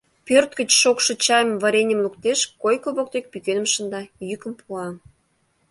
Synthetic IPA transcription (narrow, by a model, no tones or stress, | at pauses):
pørt̪̚ɡə̆t͡ɕʃokʃɤ̆t͡ɕɑjmvɑɾʲenʲə̆mlukt̪eʃkojkoβok̚d̪ek̚pykenə̆mʃənd̪ɑjykəmpʰuɑ